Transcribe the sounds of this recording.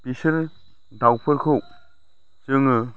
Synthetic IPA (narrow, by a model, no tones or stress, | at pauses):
pisiɾ | dawpʰɯɾkʰɯw | t͡ʃɯŋɯ